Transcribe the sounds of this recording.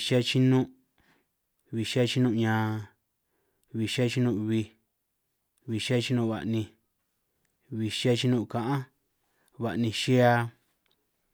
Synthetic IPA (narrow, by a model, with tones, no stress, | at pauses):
ʃa˦t͡ʃi˦nũ˦ | βi˨ʃa˦t͡ʃi˦nũ˦˧ɲãː˨ | βi˧ʃa˦t͡ʃi˦nũ˦˧βi˧ | βi˧ʃa˦t͡ʃi˦nũ˦˨βa̰˨ʔnĩ˧ | βi˧ʃa˦˧t͡ʃi˦nũ˦˧˨kã˨ʔã˦ | βa˨ʔnĩ˧ʃi˦a˧